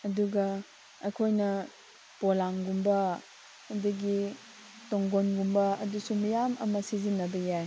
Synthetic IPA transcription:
ɐduɡɐ | ɐjkʰojnɐ | polaŋɡumbɐ | ɐdɐɡi | toŋɡonɡumbɐɐ̰dusumɐjamʔɐ̰mɐsizinːɐbɐjaj

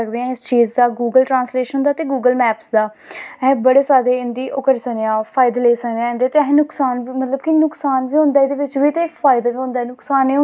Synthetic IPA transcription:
ək̚d̪eːãɪst͡ʃiːd͡ʒd̪aːɡuːɡəlʈɾãːsleːʃənd̪aːt̪eːɡuːɡəlmɛːpsd̪aː | ɛ̃bəɽeːsaːd̪eːɪnd̪iːʔʊkəɾsəkneãːpʰaːɪd̪leːsəkd̪eãːɪ̃nd̪eaːt̪eɦnʊksaːnʋiːmət̪ləbkɪnʊksaːnʋiːɦõːnd̪aːɪd̪eːʋɪt͡ʃʋiːt̪eːpʰaːɪd̪aːʋiːɦõːnd̪aːɛnʊksaːneː

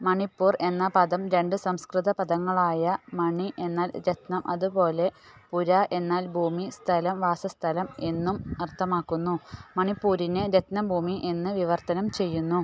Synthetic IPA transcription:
mɐɳipːuːre̞nːɐpɐðɐmɾe̞ɳɖɨsɐmskrɨðɐpɐðɐŋːɐɭaːjɐmɐɳiʔe̞nːaːlɾet̪nɐmʔɐðupo̞ːle̞puɾɐʔe̞nːaːlbʱuːmist̪ʰɐlɐmʋaːsɐst̪ʰɐlɐme̞nːumɐrt̪ʰːɐmaːkːunːumɐɳipːuːɾinɨɾet̪nɐmbʱuːmiʔe̞nːɨʋiʋɐrt̪ɐnɐmt͡ɕe̞jːunːu

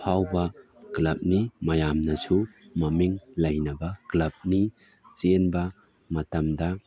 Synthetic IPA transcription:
pʰawba | klɐp̚nimɐjamnɐsumɐmiŋlɐjnɐbaklɐp̚ni | t͡ʃenba | mɐtɐmda

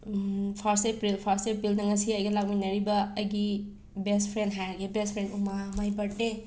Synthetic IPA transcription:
pʰaɾsepɾilpʰaɾstepɾilnɐŋɐsiɐjɡɐlak̚mijnɐɾibɐɐjɡi | bespʰɾendɦajaɡebespʰɾendumamajbɐɾte

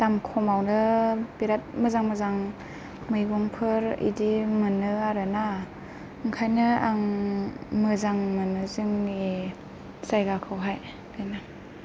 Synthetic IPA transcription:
tamkʰɔmawnɯb̥iɾat̚mɯzaŋmɯzaŋ | mɯjɡɔŋpʰɯɾḭdimɯnɯaɾɯna | ɯŋkʰajnɯaŋ | mɯzaŋmɯnɯzɯŋi | sajɡakʰɯwɦaj | kɯjna

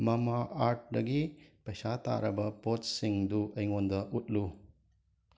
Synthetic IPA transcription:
mɐmaaɾt̚dɐ̰ɡipɐjsata̰ɾɐbɐpot̚siŋduʔɐjŋondɐʔut̚lu

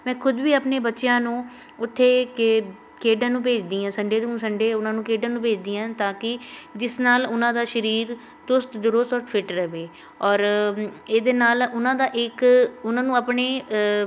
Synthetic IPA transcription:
mɛ̃ːkʰʊd̪ʋiːəpneːbətːʃjãːnũː | ʊt̪ʰːeːkɪ | keːɖãːnũːpeːd͡ʒd̪iːãːsəɳɖeːd̪ũːsəɳɖeːʊnãːnũːkeːɖãːnũːpeːd͡ʒd̪iːãːt̪aːkɪd͡ʒɪsnaːlʊnãːd̪aːʃəɾiːɾ | t̪ʊst̪d̪ʊɾʊst̪ɔːɾfʰɪʈɾəʋeː | ɔːɾeːd̪eːnaːlʊnãːd̪aːʔɪkʊnãːnũːəpɳeː

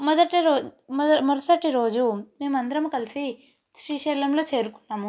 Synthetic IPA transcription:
mɔd̪ɐʈiɾoːmɔɾɐsɐʈːiɾoːd͡ʒume̞ːmuɐnd̪ɐɾɐmukɐlisi | ʃɾiːʃɛːlɐmlo̞ːt͡ʃeːɾukunːaːmu

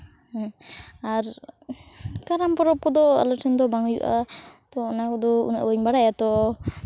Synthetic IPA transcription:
aɾ | kaɾampɔɾɔp̚kɔd̪ɔa̰lɔʈʰɛnd̪ɔbaŋjṵʔat̪ɔːnakɔd̪ɔṵna̰ʔbəɲbaɽajat̪ɔ

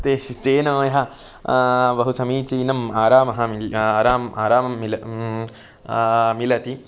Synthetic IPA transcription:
t̪eːʃit̪eːnɐʋɐjɦɐ | bɐɦusɐmiːt͡ʃinɐmaːɾaːmɐɦɐaːɾaːmaːɾaːmɐmːilɐ | milɐt̪i

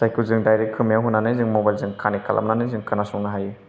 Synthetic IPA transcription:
sajkulzɯŋdajɾek̚kʰɯmjawɦunːanɯzɯŋmobajlzɯŋkʰanikʰa̰lʔa̰mnanɯzɯŋkanasuŋnaɦaju

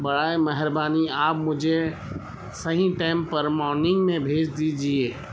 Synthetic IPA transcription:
bəɽaːeməɦəɾbaːniaːpmʊd͡ʒʱe | səɦĩʈaɪmpəɾmɔːɾnɪ̃ŋɡmẽbʱeːd͡ʒd̪id͡ʒieː

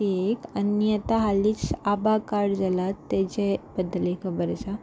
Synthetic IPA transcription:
iekənjət̪aɦaliːt͡sabakaɽd͡zalat̪ːɛt͡ɕebəd̪lekʰəbəɾsa

